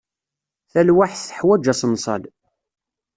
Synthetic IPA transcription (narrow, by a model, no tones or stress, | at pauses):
θælwaħθə̥ħwæd͡ʒæsənsˤɑ̰l